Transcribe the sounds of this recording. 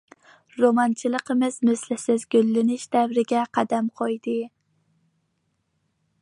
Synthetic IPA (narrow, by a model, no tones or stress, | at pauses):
ɾomɑnt͡ʃʰilˠəqʰəmɨzmɨslɪsɪzɡʲølːɪnɪʃd̪̥æwɾɪɡʲɛqʰɑd̪æmqʰojd̪ɨ